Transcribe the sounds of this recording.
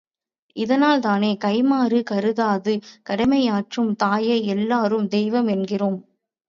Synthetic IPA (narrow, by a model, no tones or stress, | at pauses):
ʔɪðɐnaːlt̪aːneːkɐɪmaːɾɯkɐɾɯðaːðɯkɐɽɐmɐɪaːʈrɯmt̪aːjɐɪɛlːaːɾɯmd̪ɛɪʋɐmɛnɡɪroːm